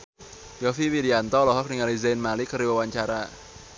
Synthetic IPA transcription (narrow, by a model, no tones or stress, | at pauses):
jɔfiwidiant̪ɔlɔɦɔk̚niŋalizenmalikʰəɾiwawant͡ʃaɾaʔ